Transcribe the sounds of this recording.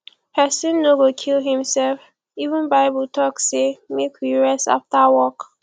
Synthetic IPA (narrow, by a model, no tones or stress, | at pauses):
hɛsɪ̃nːoɡokʰilɦĩmsɛlf | ivũnbaɪbutʰɔksemekjiɹɛsa̰ftawɔk